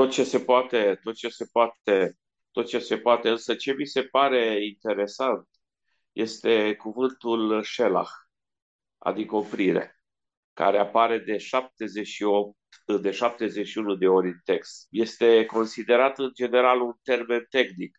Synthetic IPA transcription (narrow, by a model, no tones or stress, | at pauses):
t̪o̞t̪̚t͡ʃe̞se̞poat̪e̞t̪o̞t̪̚t͡ʃe̞se̞poat̪e̞ | t̪o̞t̪̚t͡ʃe̞se̞poat̪e̞ɨnsət͡ʃe̞mise̞paɾe̞int̪e̞ɾe̞sant̪ | jʔe̞st̪e̞kuvɨnt̪ulʃe̞la̰x | a̰d̪ikəo̞pɾiɾḛ | ka̰ɾeapaɾe̞d̪e̞ʃap̚t̪e̞ze̞ʃiop̚t̪ | d̪e̞ʃap̚t̪e̞zeʃiunud̪e̞o̞ɾʲɨnt̪e̞kst̪je̞st̪e̞ko̞nsid̪e̞ɾat̪ɨnd͡ʒe̞ne̞ɾalunt̪e̞rme̞nt̪e̞xnik